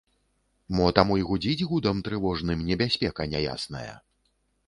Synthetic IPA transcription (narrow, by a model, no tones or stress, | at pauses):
mɔt̪amujiɣud͡zʲid͡zʲɣud̪ɐmt̪ɾɨvɔʐnɨmnʲɛbʲasʲpʲɛkɐnʲaja̰snɐ̰jɐ̰